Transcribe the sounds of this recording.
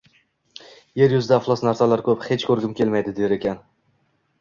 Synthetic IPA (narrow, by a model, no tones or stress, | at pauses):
je̞ɾjʊzd̪aflˠɒsnaɾsalaɾkʰɵphe̞t͡ʃkʰɵɾɡʲɪmkʲe̞lmajd̪ɪd̪eɾe̞kʲʰan